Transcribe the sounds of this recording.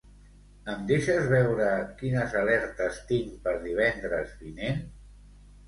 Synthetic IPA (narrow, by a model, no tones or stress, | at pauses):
əmd̪eʃəzβɛwɾəkinəzəlɛɾt̪əst̪iŋpəɾðiβ̞ɛnd̪ɾəzβinen